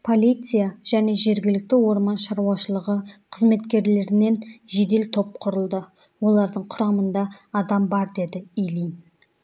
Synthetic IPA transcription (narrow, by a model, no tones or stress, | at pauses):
pʰo̞lʲijt̪sɨjaʒ̥æne̞ʒe̞ɾɡʲɪlɪk̚t̪ɪwo̞ɾmɑnʃɑɾuɑʃəlˠəʁəqʰəzme̞t̪kʲe̞ɾle̞ɾɪne̞nʒe̞d̪e̞lt̪ʰo̞p̚qʰʊɾəlˠd̪ə | wo̞lˠɑɾd̪əɴqʰʊɾɑmənd̪ɑːd̪ɑmbɑɾd̪e̞d̪ɪijlin